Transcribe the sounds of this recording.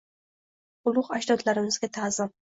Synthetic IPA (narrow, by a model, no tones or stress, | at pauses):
ʊlˠʊqaʃd̪ɒd̪laɾɪmɪzɡʲat̪ʰaːzɪm